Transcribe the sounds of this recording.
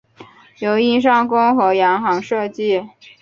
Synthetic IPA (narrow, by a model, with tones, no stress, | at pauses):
jo˨˧˥ʊi˥˩nʂ̬ɑ˥ŋkʊ˥ŋxɤ˧˥jɑ˧˥ŋxɑ˧˥ŋʂɤ˥˧t͡ɕi˥˩